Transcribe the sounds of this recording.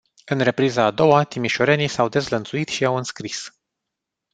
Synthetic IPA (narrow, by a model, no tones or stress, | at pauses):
ɨnre̞pɾizaːd̪o̞wat̪imiʃo̞ɾenisawd̪e̞zlənt̪suit̪ʃiawɨnskɾis